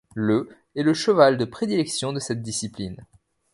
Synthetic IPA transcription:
lə | ɛləʃəvald̪əpχed̪ilɛksjɔ̃d̪əsɛt̪̚d̪isiplin

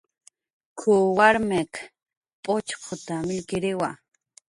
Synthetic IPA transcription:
kʰʊwaɾmek | pʼot͡ʃqʰot̪amɪʎkɪɾɪwa̰

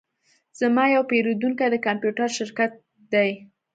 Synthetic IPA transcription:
z̥amɑjawpeɾod̪uŋkajd̪əkampjuʈaɾʃɪɾkat̪̚ | d̪aj

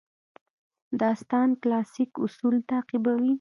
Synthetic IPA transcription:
d̪ɑst̪ɑnklɑsɪkʊsult̪aːqibawi

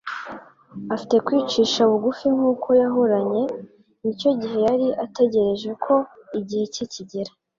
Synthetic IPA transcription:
afite̞kwiːt͡ʃiːʃaβuɡufiŋ̥uːkojaɦoɾaɲe̞ | nico̞ɟiɦe̞jaɾiʔate̞ɟe̞ɾe̞ʒe̞kʰo̞iɟihe̞ciciɟeɾa

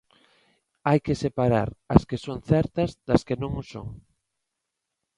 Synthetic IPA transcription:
ajkesepaɾa̰ɾɐskesoŋθɛɾt̪ɐzd̪ɐskenõŋʊso̰ŋ

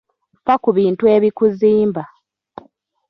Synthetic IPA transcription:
fakuβiːntueβikuziːmba

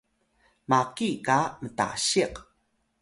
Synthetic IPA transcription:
makikaməta̰ɕiq

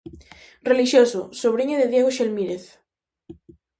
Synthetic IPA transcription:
reliʃjososoβ̞ɾiɲoðeðjeɣ̞oʃelmiɾeθ

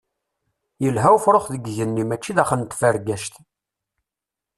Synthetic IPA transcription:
jəlɦæwfɾoχðəɡʝənːimæt͡ʃːiðæχənt̪fəɾɡæʃt̪

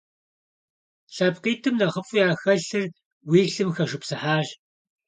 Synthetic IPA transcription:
ɬɐpqiːtʰɨmnɐʁəfʼʊjaːxɐɬɨr | wiːɬɨmxɐʃɨpsɨħaːʒ

